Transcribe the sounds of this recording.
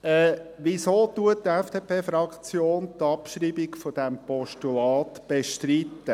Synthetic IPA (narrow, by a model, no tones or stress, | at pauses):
ɛːʋisoːtuəttɛfd̥eːpʰeːfɾɑkt͡sjoːnt̪ɑpʃriːbikfod̥æmpɔʃtulɑːt̪b̥eʃtrit̪ːə